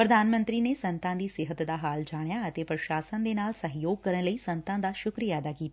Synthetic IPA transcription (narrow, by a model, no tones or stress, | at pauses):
pɾəd̪ʱaːnmə̃nt̪ɾinesɐ̃nt̪ãd̪iːsɪɦət̪d̪aɦaːld͡ʒaːɽ̃jaət̪epɾəʃaːsənd̪enaːlsɐɦjoːɡ̚kəɾəɽ̃ləisɐ̃nt̪ãd̪aʃʊkɾijaːd̪akiːt̪a